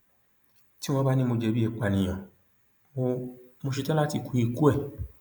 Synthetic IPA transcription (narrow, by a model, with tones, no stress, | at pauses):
ti˦w̃ɔ̃˧ba˦nĩ˦mo˧d͡ʒɛ˧bi˦ɛ˧k͡pa˨nĩ˨j̃ã˨ | o˧mo˧ʃ̬i˧tɛ̃˦la˦ti˧˨kũ˨˦ĩ˦˨ku˦ɛ˦˨